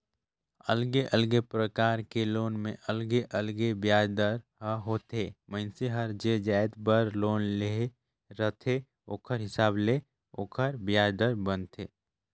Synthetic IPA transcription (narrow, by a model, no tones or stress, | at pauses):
əlɡeʔəlɡepɾəkaːɾkeloːnmẽʔəlɡeʔəlɡebjaːd̪əɾɦəɦoːt̪eːmə̃ɪnseɦəɾd͡ʒed͡ʒaːjt̪bəɾloːnle | ɾət̪ʰe | oːkʰəɾɦɪsaːble | oːkʰəɾbjaːd̪əɾbənt̪ʰeː